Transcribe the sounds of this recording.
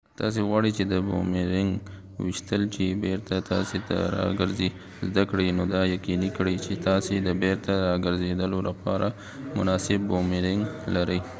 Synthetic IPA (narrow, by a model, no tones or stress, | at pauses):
t̪ɑs̬eɣwɑɽit͡ʃed̪əbo̰meɾɪŋɡ | wɪʃt̪əlt͡ʃebeɾt̪at̪ɑ̰set̪a̰ɾɑ̰ɡəɾzi | zd̪akɽinod̪ɑjaqinikɽəjt͡ʃet̪ɑsed̪əbeɾt̪aɾɑɡəɾzed̪əlolapɑɾa | mʊ̰nɑsɪbːomeɾɪŋɡlaɾəj